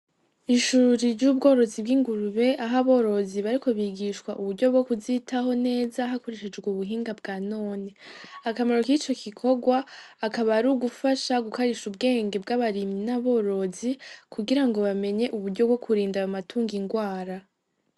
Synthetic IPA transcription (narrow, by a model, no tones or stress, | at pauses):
iʃuːɾiɾɟuːbɡo̞ːɾo̞zibɡiːŋɡuɾuβe̞ʔaɦaβo̞ːɾo̞ziβaɾiko̞βiɡiʃkwaʔuβuɾɟo̞b̚ɡo̞kuzitaɦo̞ne̞ːzaɦako̞ɾe̞ʃe̞d͡ʒɡwuβuɦiːŋɡabɡaːno̞ːneakamaɾo̞kit͡ʃo̞kikʰo̞ɡwaːkaβaɾuːɡufaʃaɡukaɾiʃubɡe̞ːŋɡe̞b̚ɡaβaɾiminaβo̞ɾo̞zikʰuɡiɾaŋɡo̞βame̞ɲe̞ʔuβuɾɟo̞bɡo̞kʰuɾiːndajamatʰuːŋɡiŋɡwaːɾa